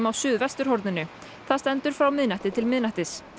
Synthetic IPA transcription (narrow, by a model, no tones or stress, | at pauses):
mawsʏːðvɛst̪ʏɾ̥hɔɾt̪nɪnʏ | θaðst̪ɛnt̪ʏɾ̥fɾawmɪðnaht̪ɪt̪ʰɪlmɪðnaht̪ɪs